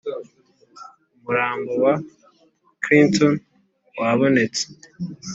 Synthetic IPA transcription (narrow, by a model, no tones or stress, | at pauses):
umuɾaːmbowa | kɾinton | waβo̞ne̞t͡se̥